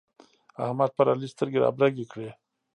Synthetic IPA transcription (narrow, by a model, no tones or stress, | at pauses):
a̰hmad̪̚paɾalist̪əɾɡeɾa̰bɾaɡekɽe